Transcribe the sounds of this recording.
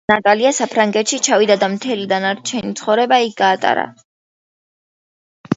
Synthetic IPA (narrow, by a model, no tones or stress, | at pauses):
at̪ʼaliasapʰɾaŋɡɛt̪ʃit͡ʃʰavid̪ad̪amt̪ʰɛlid̪anaɾt͡ʃʰɛnit̪sʰχɔvɾɛbaik̚ʰɡ̥aːt̪ʼa̰ɾa̰